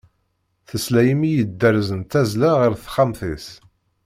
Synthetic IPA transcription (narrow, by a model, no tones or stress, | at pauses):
θəslæjəmijəd̪ːəɾzənt̪æzlaʁəɾθχamθis